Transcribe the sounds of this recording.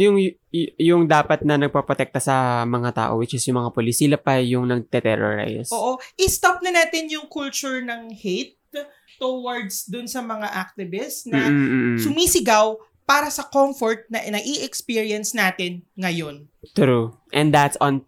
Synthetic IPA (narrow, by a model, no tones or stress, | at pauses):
jʊŋ | jʊŋd̪aːpɐt̪̚nɐnɐɡ̚pɐpɾot̪ɛk̚t̪ɐsɐmɐŋat̪a̰ːʔowɪt͡ʃɪsjʊŋmɐŋapolɪsiːlɐpɐjʊŋnɐɡ̚t̪ɛt̪ɛɾo̰ɹa̰jsoːʔoʔɪst̪ap̚nɐnaːt̪ɪnjʊŋkult͡ʃʊɹnɐŋhejt̪ː | owɐɹd̪sd̪ʊnsɐmɐŋaʔak̚t̪ɪbɪsn̩ːsʊmiːsɪɡaw | paːɾɐsɐkomfoɹt̪̚nɐnɐɡʔiʔɛkspiːɹiɐnsnaːt̪ɪnŋɐjo̞n | t̪ɾu | ʔɛnd̪d̪at̪son